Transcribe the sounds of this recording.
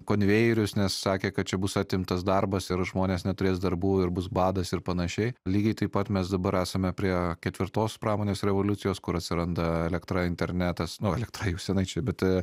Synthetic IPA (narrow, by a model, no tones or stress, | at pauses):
koːnʲʋʲeːjɛɾʲʊsnʲɛsːɑːkʲeːkɐt̪̚t͡ʃʲɛbʊsɑt̪ʲɪmt̪ɐsd̪ɐrbɐsɪɾʒmoːnʲeːsnʲɛt̪ʊɾʲeːsd̪ɐɾbuːɪɾbʊsbɑːd̪ɐsɪɾpɐnɐʃʲɛɪlʲiːɡʲɐɪt̪ɐɪpɐt̪mʲɛsd̪ɐbɐɾæːsɐmʲɛpʲɾʲiɛkʲɛt̪ʲʋʲɪɾt̪oːspɾɑːmoːnʲeːsɾʲɛʋoːlʲʊtt͡ssʲɪjoːskʊɾɐt̪ʲsʲɪɾɐnd̪ɐɛlʲɛkt̪ɾɑɪnʲt̪ʲɛɾʲnʲæːt̪ɐsnʊɛlʲɛkt̪ɾɑjɛʊsʲɛnɐɪt͡ʃʲɛɪbʲɛt̪